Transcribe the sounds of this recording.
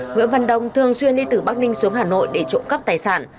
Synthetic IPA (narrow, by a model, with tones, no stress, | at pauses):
ŋwḭ˧˥əvə̰˧˨nɗə̰˧˨wŋ͡mt̪ʰɨ˨˩əŋswi˧ənɗi˧t̪ɨ˧˩ɓaː˦˥k̚nï˧ŋ̟su˨˦əŋɦaː˨˩no̰˧˨jɗe˧˩t͡ɕo̰˧˥nkə˦˥p̚t̪aː˨˩jsa̰ː˧˩n